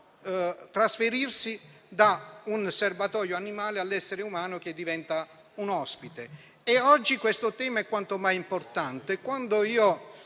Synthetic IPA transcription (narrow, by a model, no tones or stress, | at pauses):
t̪ɾasfeɾirsi | d̪aunservat̪ɔːjoanimaːlealːɛsːeɾeumaːnok̟ed̪ːivɛnt̪a | unɔspit̪e | eɔd͡ʒːikwest̪ot̪ɛːmaɛkːwant̪omajimport̪ant̪eɛkːwand̪oiːo